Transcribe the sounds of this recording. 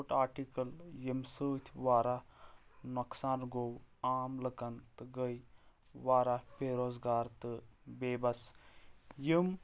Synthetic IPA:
ʈaːɾʈikɐljimsəːt̪ʲʰʋaːɾa | nɐksaːnɡowaːmləkɐnt̪ɨɡəj | ʋaːɾapʰeːɾoːzɡaːɾt̪ɨbeːbɐs | jim

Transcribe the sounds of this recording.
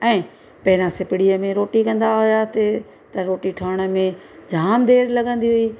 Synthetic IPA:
ɛ̃ː | pɐɦɪɾãsɪpɪɽiəmẽɾoːʈikɐ̃nd̪aɦʊjat̪e | t̪ɐɾoːʈiʈʰəəɽ̃ə̆mẽ | d͡ʑʱaːmd̪eːɾlɐɡə̃nd̪iɦʊiː

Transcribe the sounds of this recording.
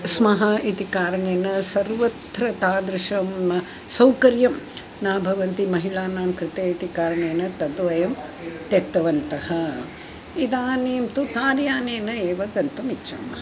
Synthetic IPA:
smɐɦɐʔit̪ikaːɾɐɳeːnɐsɐɾʋɐt̪ɾɐt̪aːd̪ɾɪʃɐmnɐ | sɐwkɐɾjɐm | naːbʱɐʋɐnt̪imɐɦilaːnaːmkɾɪt̪eːit̪ikaːɾɐɳeːnɐt̪ɐd̪ʋɐjɐmt̪et̪ːɐʋɐnt̪ɐhɐ | id̪aːneːmt̪ukaːɾjaːneːnɐeːʋɐɡɐnt̪umitːt͡ʃʰɐ̰mɐ

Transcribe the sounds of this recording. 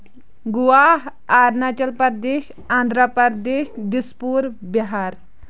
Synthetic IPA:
ɡuʋaɦaɾnat͡ʃɐlpɐɾd̪eːɕ | ãːnd̪ʱɾəpəɾd̪eːɕd̪ispuɾbiɦaːɾ

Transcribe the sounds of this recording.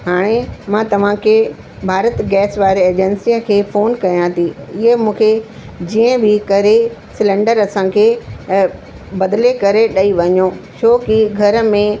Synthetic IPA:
ɦaːɽ̃emãːt̪ɐʋ̤ãkʰe | bʱaːɾət̪ɡɛːsʋaːɾeeːd͡ʑensijəkʰeːfoːnkɐjãt̪ʰiɪɦemũːkʰe | d͡ʑiːə̃bɪkɐɾesɪlɛ̃ɳɖəɾɐsãkʰeː | bɐd̪lekɐɾeɗɐiʋɐɲõt͡ɕʰoːkiɡʱɐɾə̆mẽ

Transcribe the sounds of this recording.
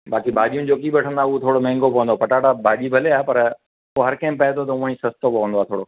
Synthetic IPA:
baːkibʱaːʄijʊnɪ̆d͡ʑoːkiɓɐʈʰə̃nd̪aːuot̪ʰoːɽomɛ̃ːŋɡopɐʋə̃nd̪oːpɐʈaːʈabʱaːʄibʱɐleaːpɐɾ | oɦɐɾkɐ̃ɪ̃mpɐɦɪt̪ʰot̪ɐũãĩsɐst̪opɐʋə̃nd̪oaːt̪ʰoːɽoː

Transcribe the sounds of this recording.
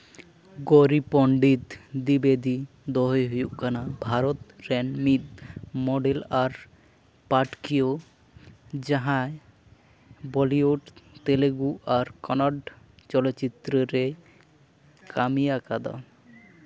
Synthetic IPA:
ɡoɾipɔɳɖit̪d̪ibed̪i | d̪ɔɦeɦojuʔkanabʱaɾot̪ɾɛnmid̪̚mɔɖelaɾ | paʈkio | d͡ʑaɦae | bɔlioɖt̪eleɡuʔaɾkɔnaɖ | t͡ɕɔloːɕit̪ːɾeɾe | kʰamiakad̪a̰

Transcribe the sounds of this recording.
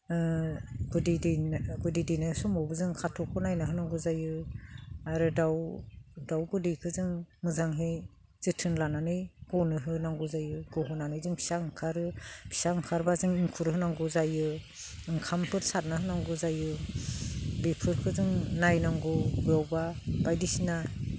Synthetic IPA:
ɡudidiɡudijdijnajsɔmɔwbɯzɯŋkʰatʰɔkʰɔnajnaɦɯnaŋɡuzajɯ | aɾɯdawdawɡɯdijkʰɯzɯŋmɯzaŋɦej | z̥ɯtʰɯnlananɯjɡ̥ɔnɯɦɯnaŋɡɔzajɯɡɔɦɯnanɯjzɯŋpʰi̥saɯŋkʰaɾɯpʰi̥saɯŋkʰaɾbazɯŋiŋkʰuɾɦɯnaŋɡɔzajɯ | ɯŋkʰampʰɯɾsat̚naɦɯnaŋɡɔzajɯ | bijpʰɯɾkʰɯzɯŋnajnaŋɡɔɡɯjawbab̥ajdisina

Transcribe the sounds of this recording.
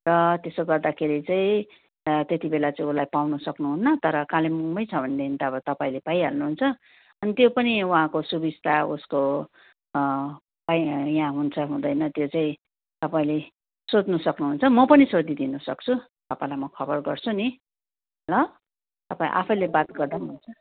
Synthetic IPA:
rʌt̪esoɡʌrd̪akʰeɾit͡saĩ | t̪et̪ibelat͡saĩulajpawnusʌknuɦunːʌt̪ʌɾʌkãlemumʌjt͡sʰʌbʱʌnd̪eint̪aʌbʌt̪ʌpaĩlepaĩɦa̰lnuɦunt͡sʰʌ | ʌnit̪jopʌniuɦãkosubid͡zt̪ausko | paijãɦunt͡sʰʌɦũd̪ʌjnʌt̪jot͡saĩ | t̪ʌpaĩle | sod̪nʌsʌknuɦunt͡sʰʌmʌpʌnisod̪id̪inusʌkt͡sʰu | t̪ʌpãĩlajmʌkʰʌbʌrɡʌrt͡sʰuni | ʌlʌ | t̪ʌpãḭ̃ʔa̰pʰʌjlebat̪ɡʌrd̪anɦunt͡sʰʌ

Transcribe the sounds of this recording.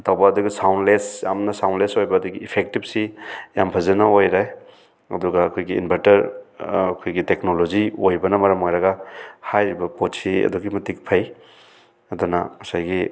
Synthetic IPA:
tʰawbɐːduɡisawndlesja̰mnɐsawnlesojbɐːduɡiːpʰek̚tip̚sijampʰɐzɐnɐojɾaj | ɐ̰dɔɡaːkʰojɡḭːnbʰʱeɾtɐɾɐkʰojɡiteknoloziojbɐnɐmɐɾɐmojɾɐɡahajɾibɐpotsiɐ̰duɡimɐtik̚pʰɐj | ɐdɔnɐ̰mɐsajɡi

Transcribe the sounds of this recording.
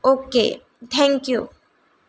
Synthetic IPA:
okḛ | t̪ʰɛ̃ŋkjṵ

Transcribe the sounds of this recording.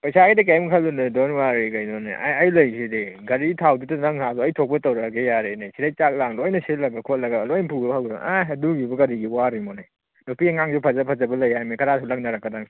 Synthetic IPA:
pɐjsaɡijdɐk̬ajmkʰalːunɯdɔnwaɡiɡɐjnɔnḛʔa̰ɐjlɐjsideɡɐɾitʰawdutɐnɐŋhazɔɐjtʰɔk̚pɐtɐwɾɐɡejaɾenesiɾajt͡ʃak̚laŋlojnɐsilɐɡɐkʰɔt̚lɐɡɐlojnpʰuɡbhawɡɾa̰aɦɐduɡibɐɡɐɾiɡiwaɾimɔnaj | nopʰieŋaŋzupʰɐzɐpʰɐzɐbɐlɐjhajmekʰɐɾatʰalɐk̚naɾakːɐdaŋ

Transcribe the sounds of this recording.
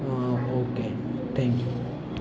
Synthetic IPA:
aoke | t̪ʰɛ̃ŋkju

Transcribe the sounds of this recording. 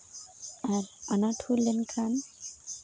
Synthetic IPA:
aɾanaʈʰulenkʰan

